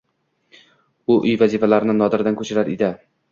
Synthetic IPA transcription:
ʊʔʊjvazifalaɾɪnɪnɒd̪ɪɾd̪ankʰɵt͡ʃʰɪɾaɾḛd̪ɪ

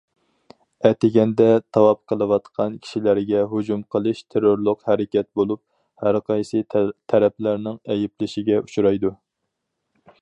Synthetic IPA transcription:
ɛt̪ɪɡʲɛnd̪ɛt̪ʰɑwɑp̚qʰəlˠɨwɑt̪qʰɑnkʲʰi̥ʃilæɾɡʲɛɦud͡ʒumqʰəlˠɨʃt̪ʰeɾoɾlˠʊqhæɾɪkʲɛt̪̚bolˠup̚ | hæɾqʰɑjsɨt̪ʰæɾɛplæɾnɪŋɛjɪplɪʃɪɡʲɛut͡ʃʰuɾɑjd̪u

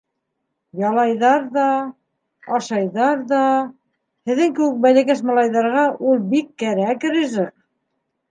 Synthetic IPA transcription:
jɑlˠɑjðɑɾðɑ | ɑʃɑjðɑɾðɑ | hɘ̆ðɘŋkɘ̆wɘk̚bælɘ̆kæʃmɑlˠɑjðɑɾʁɑʔulˠbikːæɾæk̆ɾɘ̆ʒɘq

